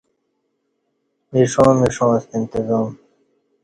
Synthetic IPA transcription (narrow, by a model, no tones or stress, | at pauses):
miʂõːmiʂõːst̪int̪ɪzɑːm